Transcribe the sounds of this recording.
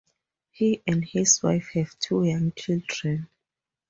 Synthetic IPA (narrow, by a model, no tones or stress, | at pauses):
hiʔɛ̃ndhiswa̰jfhɛv̥tʰujãŋt͡ʃʰildɹɛ̃n